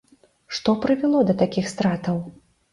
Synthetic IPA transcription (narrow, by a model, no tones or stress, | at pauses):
ʂt̪ɔpɾɨvʲɛlˠɔd̪ɐt̪akʲixst̪ɾat̪ɐw